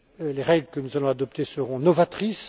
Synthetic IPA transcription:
leʁɛɡləkənuzalɔ̃ad̪ɔp̚t̪esəʁɔ̃nɔvat̪χis

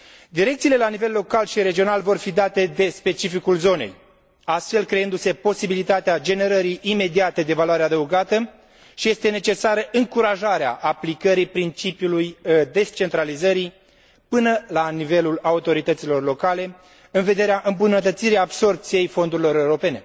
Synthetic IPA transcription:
d̪iɾe̞kt̪siːle̞lanive̞lːo̞kalʃiɾe̞d͡ʒio̞nalvo̞rfid̪at̪e̞d̪e̞spe̞t͡ʃifikulzo̞ne̞̰j | ast̪fe̞lkɾe̞ɨnd̪use̞po̞sibilit̪at̪ead͡ʒe̞ne̞ɾəɾiːme̞d̪iat̪ed̪e̞valoaɾead̪əuɡat̪ə | ʃije̞st̪e̞ne̞t͡ʃe̞saɾəʔɨŋkuɾaʒaɾea̰ʔaplikəɾipɾint͡ʃipjulujd̪e̞st͡ʃe̞nt̪ɾalizəɾi | pɨnəlanive̞lulaut̪o̞ɾit̪ət̪silo̞rlo̞kale̞ | ɨnve̞d̪e̞ɾeaʔɨmbunət̪ət̪siɾiabso̞rp̚t̪sije̞jfo̞nd̪uɾilo̞ɾe̞uɾo̞pe̞ne̞

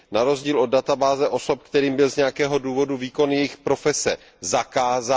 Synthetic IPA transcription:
naɾo̞zɟiːlʔo̞d̚dat̪abaːzɛʔo̞so̞p̚kt̪ɛɾiːmbɪlzɲɛjakɛːɦo̞duːvo̞duviːkonjɛjɪxpɾo̞fɛsɛ̰ | zakaːza

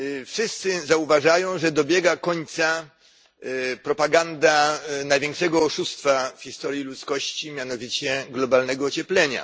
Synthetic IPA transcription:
fʂɘst̪sɘzauvaʐajɔ̃w̃ʐɛd̪ɔbʲjɛɡakɔɲt̪sa | pɾɔpaɡand̪anajvʲjɛ̃ŋkʂɛɡɔːʂust̪fafxʲist̪ɔɾʲjilut̪skɔɕt͡ɕimʲjanɔvʲit͡ɕɛɡlɔbalnɛɡɔːt͡ɕɛplɛɲa̰

